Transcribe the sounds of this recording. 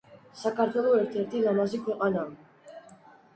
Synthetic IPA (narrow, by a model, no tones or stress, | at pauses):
sakaɾt̪eðueɾt̪eɾt̪ilamasikoɣana